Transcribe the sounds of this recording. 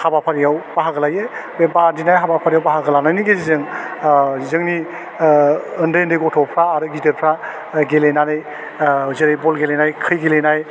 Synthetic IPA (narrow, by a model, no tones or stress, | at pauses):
habapʰaɾijawbaɦaɡɯlajebebadinajɦabapʰaɾijawbaɦaɡəlanajniɡezizɯŋ | zɯŋni | ɯndɯjndɯjɡɔtʰɔpʰɾaːɾɯɡitɯɾpʰɾa | ɡelejnanɯj | zɯɾejbɔlɡelejnajkʰɯjɡelenaj